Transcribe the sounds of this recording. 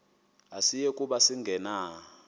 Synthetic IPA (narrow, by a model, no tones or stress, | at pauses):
asijɛkʼuɓasiŋɡʱɛna